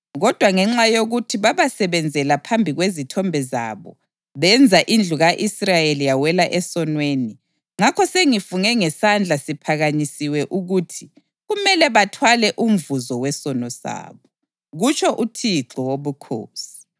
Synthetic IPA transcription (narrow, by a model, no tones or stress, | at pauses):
ɣɔd̥ʱwaŋɛŋ͡ǁajoɣutʰiβaβasɛβɛnd͡zʱɛlapʰambʱiɣwezitʰɔmbʱɛza̰ːβɔ̰ | βɛnd͡zʱaʔind͡ɮʱuɣaʔisrajelijawɛlaʔɛsɔnweːni | ŋakʰɔseŋifuŋɛŋɛsand͡ɮʱasipʰaɣaɲisiwɛʔuɣuːtʰi | ɣumɛlɛβatʰwalɛʔum̩vuzɔwɛsɔnɔsa̰ːβɔ | ɣut͡ʃʼʰɔʔutʰiǁɔwoβukʰo̰ːsi̥